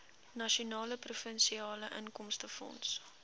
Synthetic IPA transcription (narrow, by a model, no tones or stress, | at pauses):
nɐʃiunɑːləprufənsiɑːləʔənkɔmstəfɔ̰ns